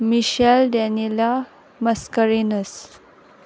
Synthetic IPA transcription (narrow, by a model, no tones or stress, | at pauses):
miʃɛldɛnila | məskəɾinəs